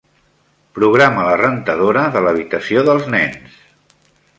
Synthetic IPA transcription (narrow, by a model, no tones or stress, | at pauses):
pɾuɣɾamələrənt̪əðoɾəðələβ̞it̪əsioðəlˠznɛns